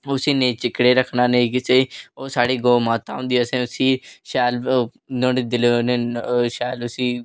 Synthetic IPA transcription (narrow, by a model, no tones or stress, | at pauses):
ʊsiːnẽːt͡ʃɪkːɽeːɾəkʰnaːnekɪseːoːsaːɽiːɡoːmaːt̪aːɦʊ̃nd̪iːsẽːʊsiːʃɛːl | nõːneːd̪ɪloːneːʃɛːlʊsiː